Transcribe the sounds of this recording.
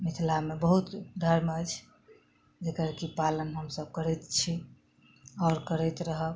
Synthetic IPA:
mit̪ʰlamebəɦut̪d̪ʱəɾmət͡ʃʰ | d͡ʒekəɾkipalənɦəmsəb̚kəɾɛt̪t͡ʃʰi | ɔːɾkəɾɛt̪ɾəɦə

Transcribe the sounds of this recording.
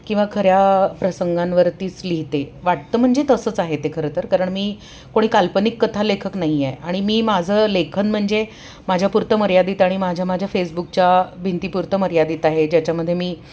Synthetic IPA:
kĩw̃ʋakʰəɾjapɾəsəŋɡãnʋəɾt̪iːt͡sliɦt̪eʋaʈ̚t̪əːm̤əɳd͡zet̪əsəːt͡saɦet̪ekʰəɾət̪əɾkaɾəɳmiː | koɽ̃iːkalpənikːət̪ʰalekʰəknaɦijeaɽ̃imiːmad͡zʱəlekʰənm̤əɳd͡ze | mad͡ʑʱjapuɾt̪əməɾjad̪iːt̪aɽ̃imad͡ʑʱjamad͡ʑʱjafes̬buk̚t͡ɕjabʱint̪iːpuɾt̪əməɾjad̪iːt̪aɦed͡ʑjat͡ɕaməd̪ʱjemiː

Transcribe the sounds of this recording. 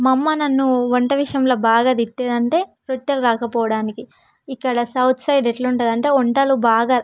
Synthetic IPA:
mɐmːɐnɐnːuʋɐɳʈɐʋiʂjɐmlo̞ːbaːɡaːd̪iʈːeːd̪ɐɳʈe̞ː | ɾot͡ʃːɐɾɾaːkɐpɔːʋɐɽaːniki | ikːɐɽɐsɐwt̪ʰsɐjɖeʈlɐuɳʈɐd̪ɐɳʈe̞ːɔɳʈaːlubaːɡaː

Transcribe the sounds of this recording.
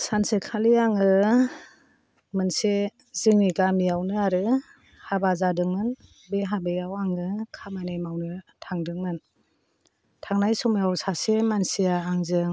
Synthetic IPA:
sansekʰaliaŋɯ | mɯnse | zɯŋniɡamijawnɯaɾɯ | habazadɯŋmɯn | beɦabejawaŋɯkʰamajnajmawnɯtʰaŋdɯŋmɯn | tʰaŋnajsɔmijawsasemansijaːŋzɯŋ

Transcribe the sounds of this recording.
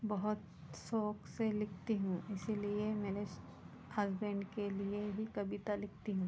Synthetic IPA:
bɐɦʊt̪ | soːkselɪkʰt̪iɦũɪsiliemeːleʃ | hɐzbẽɳɖkelieɦikɐbit̪alɪk̚ʰt̪iɦũː

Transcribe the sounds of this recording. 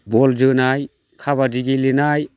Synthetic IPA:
bɔld͡ʒɯnaj | kʰaβadiɡilinaj

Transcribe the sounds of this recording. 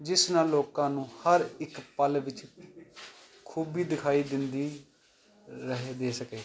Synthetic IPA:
d͡ʒɪsnaːloːkãːnũːhəɾɪkpəlʋɪt͡ʃ | kʰuːbiːd̪ɪkʰaːiːd̪ɪnd̪iː | ɾəɦeːd̪eːsəkeː

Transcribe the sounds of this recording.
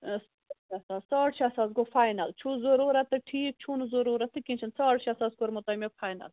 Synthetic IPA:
s | ɐsaːzsaːʈʃasaːs̬ɡofajnɐlt͡ʃʰuzoɾuːɾɐt̪ːɨʈʰiːk̚t͡ʃʰunɨzoɾuːɾɐt̪ːɨkint͡ʃʰɐnsaːʈʃasaːsɡoɾmut̪ɐːmefʰaːjnɐ̰l

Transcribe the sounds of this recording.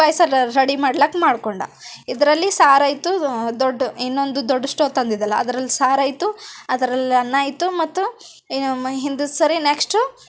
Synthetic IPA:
ɐːjsɐɾɐɽimaːɽlɐkːmaːɽkoɳɖɐ̰id̪ɐɾɐlːisaːɾɐjt̪ud̪oɖːinːo̞nd̪ud̪oɖːɐʂʈoːt̪ɐnd̪id̪ɐlːɐɐd̪ɐɾɐlːisaːɾɐːjt̪uɐd̪ɐɾɐlːiɐnːaːjt̪umɐt̪ːu | ɦind̪usɐɾineksʈ

